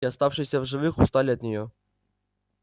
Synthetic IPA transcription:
ɐst̪ɑwʂɨsʲɐvʐɨvɨxʊst̪alʲɪɐt̪ʲnʲɪjɔ

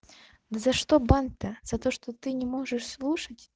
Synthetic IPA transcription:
d̪ɨzɐʂt̪ɔbant̪ːɐz̥ɐt̪ɔʂt̪ɔt̪ɨnʲɛmɔʐɨʂslˠuʂɐt͡sʲ

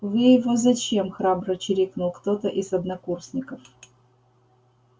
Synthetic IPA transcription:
vɨjɪvozɐt͡ɕemxɾabɾɐt͡ɕɪɾʲiknulˠkt̪ot̪əʔizɐd̪nɐkursʲnʲɪkɐf

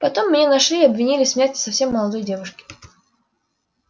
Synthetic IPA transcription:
pɐt̪o̞mːnʲenɐʂlʲiɐbvʲɪnʲilʲɪsʲmʲjætʲɪ̥sɐfsʲe̞mːəlˠɐd̪ojdʲe̞vʊʂkʲɪ̥

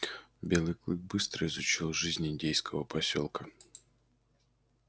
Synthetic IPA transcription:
bʲe̞lˠɨjklˠɨk̚bɨst̪ɾəɪzʊt͡ɕilˠʐɨzʲnʲɪnʲdʲejskəvəpɐsʲo̰lˠkə

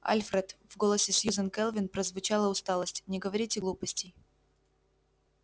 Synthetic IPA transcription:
a̰lʲfɾʲɛt̪v̥ɡolˠəsʲɪsʲjuzənkɛlˠvʲɪnpɾəzvʊt͡ɕalˠəʊst̪ɑlˠəsʲtʲnʲɪɡəvɐɾʲitʲɪɡlˠupəsʲtʲɪj

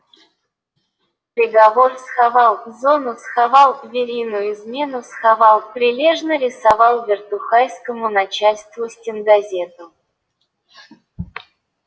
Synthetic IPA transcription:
pɾʲɪɡɐvorsxavɑlˠvzo̞nʊsxavɑlˠvʲɪɾʲijnʊjʊɪzmʲe̞nʊsxavɑlˠpɾʲɪlʲe̞ʐnəɾʲɪsɐvɑlˠvʲɪrt̪ʊxajskəmʊnɐt͡ɕalʲst̪vʊsʲtʲɪnɡɐzʲe̞t̪ʊ

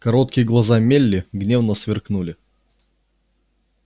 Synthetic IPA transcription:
kɐɾot̪̚kʲɪjəɡlˠɐzamʲelʲːɪɡnʲevnəsvʲɪrknulʲɪ

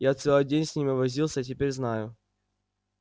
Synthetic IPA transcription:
jat̪sɛlˠɨjdʲenʲsʲnʲimʲɪvɐzʲilˠsʲət̬ʲɪpʲeɾʲznajʊ

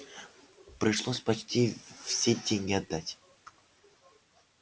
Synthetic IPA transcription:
pɾʲɪʂlˠosʲpɐt͡ɕtʲifsʲedʲeŋʲɡʲɪɐd̪ːatʲ

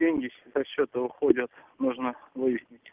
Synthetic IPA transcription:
eŋʲɡʲɪɕsɐɕːot̪əʊxodʲət̪muʐnəvɨjɪsʲnʲɪtʲ

